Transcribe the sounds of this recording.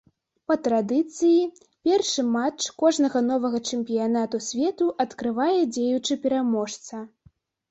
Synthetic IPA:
pɐt̪ɾad̪ɨt̪sɨji | pʲɛrʂɨmat͡ʂkɔʐnɐɣɐn̪ɔvɐɣɐt͡ʂɛmʲpʲijanat̪usʲvʲɛt̪uʔɐt̪kɾɨvajɛd͡zʲejut͡ʂɨpʲɛɾamɔʂt̪sɐ

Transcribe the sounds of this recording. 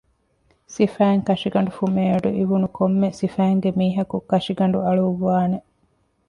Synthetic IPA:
sifæːŋkɐʃiɡɐɳ̆ɖufumeːɐɖuʔiʋunukʰomːesifæːŋɡemiːɦɐkukɐʂiɡɐɳ̆ɖuɐɭuʋːaːne

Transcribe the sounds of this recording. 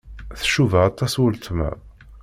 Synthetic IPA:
θə̥ʃːuvəɑt̪ˤːɑswəlt̪mæ̰

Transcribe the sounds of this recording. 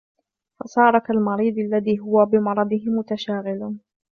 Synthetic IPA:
fɑsˤɑːɾˤɑkalmɑɾˤiːd̪ˤalːaðiːɦʊwabɪmɑɾˤɑd̪ˤɪhɪmʊt̪aʃaːɣɪl

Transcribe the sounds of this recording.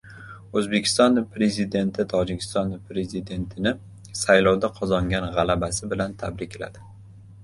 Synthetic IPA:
ɵzbe̞kʲʰɪ̥st̪ɒnpɾe̞zɪd̪e̞nt̪ʰɪt̪ʰɒd͡ʒɪkʲʰɪ̥st̪ɒnpɾe̞zɪd̪e̞nt̪ʰɪnɪ | sajlɒwd̪aqʰɒzɒŋɡʲanʁalabasɪbɪlant̪ʰa̰bɾɪkʲla̰d̪ɪ

